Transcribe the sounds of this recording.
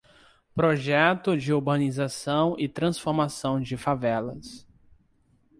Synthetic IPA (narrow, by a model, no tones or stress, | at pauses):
pɾoʒɛt̪ʊd͡ʒɪuɾbɐ̃nizasɐ̃w̃ʔɪt̪ɾɐ̃sfoɾmasɐ̃w̃d͡ʒɪfavɛlɐs